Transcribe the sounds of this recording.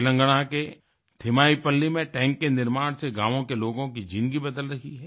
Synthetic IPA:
lə̃ŋɡɽ̃ake | t̪ʰɪmaːipɐlːimẽʈɛ̃ːŋkːenɪɾmaːɽ̃seɡaːʋõkeloːɡõkid͡ʒɪ̃nd̪ɡibɐd̪əlɾɐɦiɦɛː

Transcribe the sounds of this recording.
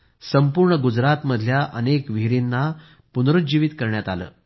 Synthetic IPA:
səmpuɾɳəɡud͡zɾat̪məd̪ʱljaʔənekʋiɾinːa | punɾut̪̚d͡ʑiʋit̪kəɾɳjat̪alə̰ː

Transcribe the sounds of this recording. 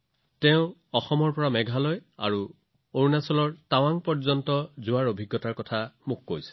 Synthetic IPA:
tɛʊ̃ɔxɔmɔɹpɔɹamɛɡʱalɔja̰ɹu | oɹnasɔlɔɹtawaŋpɔɹzɔntɔzʊaɹobʱiɡːɔtaɹkɔtʰamʊkːojsɛ̥

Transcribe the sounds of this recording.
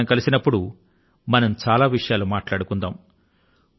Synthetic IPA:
mkɐlisinɐpːuɽu | mɐnɐmt͡ʃaːlaːʋiʂɐjaːlumaːʈlaːɽukund̪aːm

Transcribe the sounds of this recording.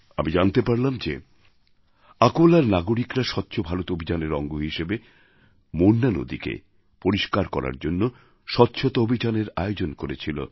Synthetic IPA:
a̰mid͡ʑant̪epaɾlamd͡ʑe | akolaɾnaɡoɾikɾaʃɔt̪ːɕʰobʱaɾot̪oobʱid͡ʑaneɾɔŋɡoɦiʃebe | moɾnːano̰d̪ikḛ | poɾiʃkaɾkɔɾa̰ɾd͡ʑonːo | ʃɔtːɕʰot̪oobʱid͡ʑaneɾaeod͡ʑonkoɾet͡ɕʰilo̰

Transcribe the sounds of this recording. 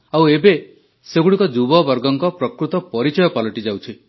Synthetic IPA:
awebe | seɡuɽikɔd͡ʒubɔbɔɾɡɔŋkɔpɾɔkɾut̪ɔpɔɾit͡ʃɔjɔpalɔʈid͡ʒawt͡ʃʰi

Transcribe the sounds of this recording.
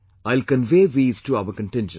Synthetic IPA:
aɪlkə̃nʋeːʋiːzʈuaʋəkə̃nʈɪ̃nd͡ʒə̃

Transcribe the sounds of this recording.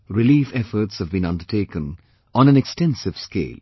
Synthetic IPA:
ɾɪliːfɛfəɾtshəvbĩnʌ̃ndəʈʰeːkə̃n | ɔ̃næ̃nɛkstɛ̃nsɪv̥skḛːl

